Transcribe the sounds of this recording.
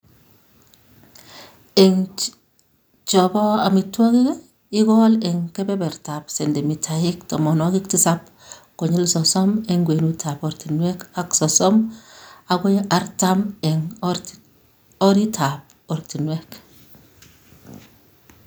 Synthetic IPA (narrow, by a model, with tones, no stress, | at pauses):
e˨ŋ | t͡ʃɔ˨bɔ˦a˨mi˨twɔ˦ki˦k | i˦ɡɔ˦lɛ˨ŋke˦bɛ˦bɛ˨ɾta˨pse˨nde˨mi˨tʰa˨ji˦ktɔ˨mɔ˨nɔ˦ɡi˦kti˦sa˦p̚ | ko˨ɲi˦lsɔ˨sɔ˦me˨ŋɡwe˨nu˦tʰa˨po˨ɾti˨nwe˦ka˦ksɔ˨sɔ˦ma˨ɡo˦ja˦ɾta˦mɛ˨ŋ | ɔ˦ɾi˦tʰa˨p̚ | o˨ɾti˨nwe˦k